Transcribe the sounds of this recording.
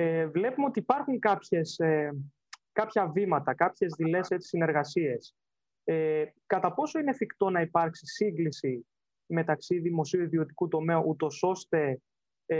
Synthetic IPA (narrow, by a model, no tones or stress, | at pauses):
evle̞pumeo̞t̪iːpɐɾxuŋkɐpçe̞se | kɐpçɐvimɐt̪ɐkɐpçe̞zðile̞se̞t͡si̥sine̞ɾɣɐsie̞s | ekɐt̪ɐpo̞so̞inefikt̪o̞nɐipɐɾksisiŋɡlisi | me̞t̪ɐksiðimo̞siuiðio̞t̪i̥kut̪o̞me̞uʔut̪o̞so̞st̪e̞